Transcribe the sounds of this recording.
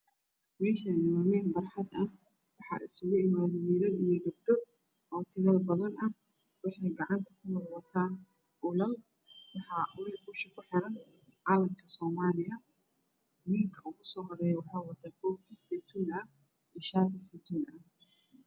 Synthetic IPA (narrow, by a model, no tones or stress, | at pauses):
mɛːʃnmaːmɛːnbɐrħɑd̪ɐ | wɑħɑ̰ːʔɪ̰sʊɣʊɪmaːðɐwiɾɐijɔɡɐb̚ɖɔ | ɔːt̪ʰɪβɐlbɐðɐnʔɐh | wɑħɛjɡɑʕɑnt̪ʰɐ̥kʰʊwɐðwɐt̪ʰaː | ʔʊlɐl | wɑħɑʊlibʊːʃɐkʰʊħɪɾɐn | ʕɑːlɐmkʰɐsɔːmaːlɪjɐ | nɪŋkʰɐʊɣʊsɔːɦɔɾɛːjɐwɑħɑːwɐd̪aːkʰɔːfɪsɛt̪ʰuːnɐ | iːʃaːɾɪsɛt̪ʰuːnɐ